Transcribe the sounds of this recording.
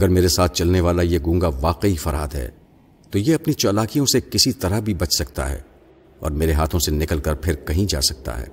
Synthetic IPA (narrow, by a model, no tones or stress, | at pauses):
ɐɡəɾmeːɾesaːt̪̚ʰt͡ʃɐlneʋaːlajeɡũːŋɡaʋaːqeifɐɾa̰ːd̪ɦɛ̰ː | t̪ojeɐpnit͡ʃɔːlaːkijõsekɪsit̪ɐɾəɦbʱibɐt͡ʃsɐkt̪a̰ɦɛ̰ː | ɔ̰ːɾmeːɾeɦaːt̪ʰõsenɪkəlkɐɾpʰɪɾkɐɦĩd͡ʒa̰ːsɐk̚t̪a̰ɦɛ̰ː